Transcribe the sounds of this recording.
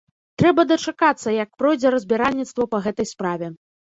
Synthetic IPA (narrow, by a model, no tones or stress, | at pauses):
t̪ɾɛbɐd̪ɐt͡ʂakat̪sːɐjɐkpɾɔjd͡zʲɛɾɐzʲbʲɛɾalʲnʲit̪st̪vɐpɐɣɛt̪ɐjspɾavʲɛ